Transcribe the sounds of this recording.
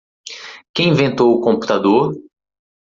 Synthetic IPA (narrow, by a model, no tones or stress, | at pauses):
kẽĩvẽnt̪owʊkõpu̥t̪ad̪oɾ